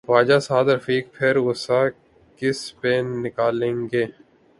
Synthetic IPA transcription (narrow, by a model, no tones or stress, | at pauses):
ʋaːd͡ʒaːsaːd̪ɾəfiːk̚pʰɪɾʊsa | kɪspeːnɪkaːlẽːŋɡeː